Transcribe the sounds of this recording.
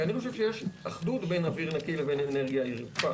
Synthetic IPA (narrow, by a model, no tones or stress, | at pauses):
aniχoʃevʃejeʃaχdutbe̞jnaviʁnakileveneneʁɡjaiʁfa